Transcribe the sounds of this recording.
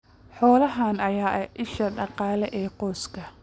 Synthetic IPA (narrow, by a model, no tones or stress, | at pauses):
ħɔːlɐɦaːnɐjaːʔɛʔɪʃɐɖɑqɑːlɛʔɛːqɔːskʰɐ